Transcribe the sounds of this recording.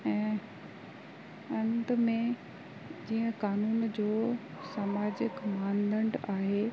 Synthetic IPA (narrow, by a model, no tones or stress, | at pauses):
ɛ̃ː | ɐ̃nd̪mẽ | d͡ʑiːə̃kaːnuːnd͡ʑoː | saːmaːd͡ʑɪkmãːnd̪ə̃ɳɖaːɦeː